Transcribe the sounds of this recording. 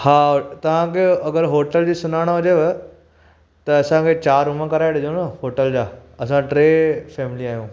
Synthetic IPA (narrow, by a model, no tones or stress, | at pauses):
haːt̪ɐʋ̤ãkʰeɐɡəɾɦoːʈəld͡ʑiːsʊnaːɽ̃aɦʊd͡ʑeʋ | t̪ɐɐsãkʰet͡ɕaːɾɦʊmə̃kɐɾaːɪɽd͡ʑõnəɦoːʈəld͡ʑaːɐsãʈɾeːfɛːmɪliaːɦijũː